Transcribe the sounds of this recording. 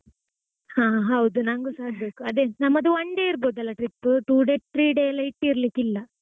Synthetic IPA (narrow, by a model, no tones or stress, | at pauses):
hãːɦɐwd̪unaŋɡusaːbeːkuɐd̪eːnɐmːɐd̪uʋɐɳɖeːiɾboːd̪ɐlːɐʈɾipːʈuːɖeʈ̚ʈɾiːɖeːlɐjiʈːɾɐlikilːɐ